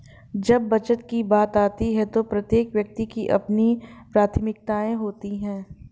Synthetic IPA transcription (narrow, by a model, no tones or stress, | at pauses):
d͡ʒɐbːɐt͡ʃət̪kibaːt̪aːt̪iɦɛt̪opɾɐt̪jeːkʋjɐk̚t̪ikiʔɐ̰pnipɾaːt̪ʰmɪk̚t̪aːẽɦoːt̪iɦɛ̃ː